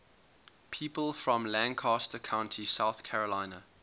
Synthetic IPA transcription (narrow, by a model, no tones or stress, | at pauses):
pʰiˑpəlˠfɹə̃mlæ̃nkʰɑːˑstəkʰãʊ̃ntʰisaʊθkʰæɹəlãɪ̃nə